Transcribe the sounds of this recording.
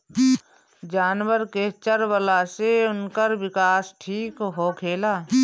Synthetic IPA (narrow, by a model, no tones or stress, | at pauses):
d͡ʒaːnwəɾket͡ʃəɾʋəlaseʊnkəɾʋɪkaːsʈʰiːkɦoːkʰeːlaː